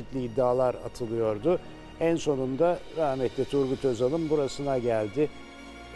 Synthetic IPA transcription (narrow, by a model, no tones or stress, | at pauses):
it̪lʲiːd̪ːaːlˠaɾa̰t̪ʰɯlˠɯjo̞ɾd̪ʊ | ænso̞nund̪aɾahmɛt̪lʲɛt̪ʰuɾɡut̪ʰøzalˠɯmbuɾasɯnaɟælʲd̪ɪ